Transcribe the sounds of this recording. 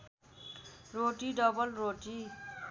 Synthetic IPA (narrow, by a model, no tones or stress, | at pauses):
roʈiɖʌbʌlroʈi